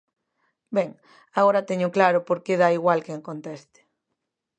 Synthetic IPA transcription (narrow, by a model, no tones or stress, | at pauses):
beŋ | aɣoɾat̪eɲoklaɾopoɾkeðaiɣwalkeŋkont̪est̪e̥